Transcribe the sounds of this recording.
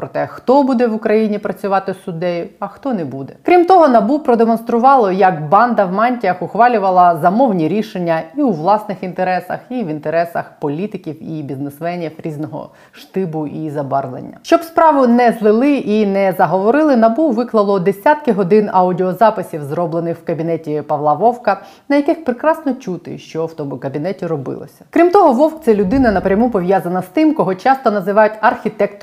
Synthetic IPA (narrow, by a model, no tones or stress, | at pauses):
pɾɔt̪ɛxt̪ɔbud̪ɛʋʊkɾɐjinʲipɾɐt͡sʲʊʋɑt̪ɪsʊd̪ɛjʊɐxt̪ɔnɛbud̪ɛkɾʲimt̪ɔɦɔnɐbupɾɔd̪emɔnst̪ɾʊʋɑlˠɔjɐkbɑnd̪ɐʋmɑnʲtʲijɐxʊxʋɑlʲʊʋɐlˠɐzɐmɔwnʲiɾʲiʃenʲːɐiuʋlˠɑsnɪxint̪eɾɛsɐ̰xiʋʲint̪eɾɛsɐxpɔlʲit̪ɪkʲiwibʲiznesmɛnʲiwɾʲiznɔɦɔ̰ | ʃt̪ɪbʊizɐbɑrlˠḛnʲːɐ̰ʃt͡ʃɔbspɾɑʋʊnɛzlˠɪlˠɪʔinɛzɐɦɔʋɔɾɪlˠɪnɐbuʋɪklˠɐlˠɔd̪esʲat̪kɪɦɔd̪ɪnɐudʲɪɔzɑpɪsʲiwzɾɔblˠenɪxwkɐbʲinɛtʲipɐʋlˠɑʋɔwkɐ | nɐjɐkɪxpɾekɾɑsnɔt͡ʃut̪ɪ̰ʃt͡ʃɔwt̪ɔmʊkɐbʲinɛtʲiɾɔbɪ̰lˠɔ̰sʲɐ̥kɾʲimt̪ɔɦɔʋɔwktt͡s̪ɛlʲʊd̪ɪnɐnɐpɾʲɐmupɔʋʲjazɐnɐst̪ɪmkɔɦɔt͡ʃɑst̪ɔnɐzɪʋɑjʊtʲɐrxʲit̪ɛkt̪